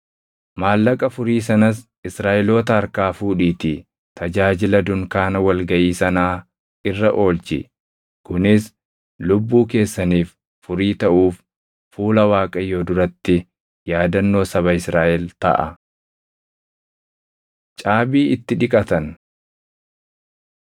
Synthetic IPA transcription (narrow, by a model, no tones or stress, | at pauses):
maːlːɐkʼɐfʊɾiːsɐnɐs | ɪsɾaːʔɛlo̞ːt̪ɐɐɾkaːfuːᶑiːt̪ɪ | t̪ʰɐd͡ʒaːd͡ʒɪlɐd̪ʊŋkaːnɐwɐlɡɐʔiːsɐnaː | ʔɪrːɐʔo̞ːlt͡ʃɪ̰ | kʊnɪs | lʊbːuːke̞ːsːɐniːf | fʊɾiːt̪ɐʔuːf | fuːlɐwaːkʼɐjːo̞ːd̪ʊɾɐt̪ːɪ | jaːd̪ɐnːo̞ːsɐβɐɪsɾaːʔɛlt̪ɐ̰ʔɐ̰ | t͡ʃʼaːbiːɪt̪ːɪᶑɪkʼɐt̪ɐn